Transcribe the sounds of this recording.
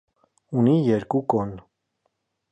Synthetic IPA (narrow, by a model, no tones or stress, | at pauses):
unijɛɾkukɔn